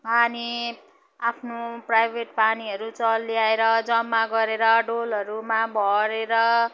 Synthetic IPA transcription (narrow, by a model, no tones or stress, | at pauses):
ani | apʰnoprajbʱeʈ̚paniɦʌɾut͡sʌlːjaeɾʌd͡zʌmːaɡʌɾeɾʌɖolʌɾumabʱʌɾeɾʌ